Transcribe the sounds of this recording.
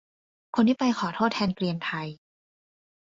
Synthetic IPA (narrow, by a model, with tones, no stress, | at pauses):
kʰo˧ntiː˥˩pa˧jxʰɔː˩˦t̪ʰoː˥˩t̪ʰɛː˧nkɾi˧əmt̪ʰa˧j